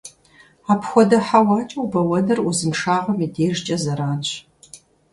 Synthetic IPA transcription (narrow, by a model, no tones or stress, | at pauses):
aːpxʷɔdɐħawaːt͡ʃʼɐwbɐwɐnɐruzɨmʂaːʁɐmideːʒt͡ʃʼɐzɐɾaːnɕ